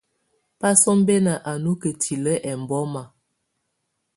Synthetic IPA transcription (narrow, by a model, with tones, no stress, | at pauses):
pa˦sɔ˦m˦be˦nə˨ʔa˨nu˦kə˨tʰi˨lə˦ʔɛ˨m˨bɔ˦ma˨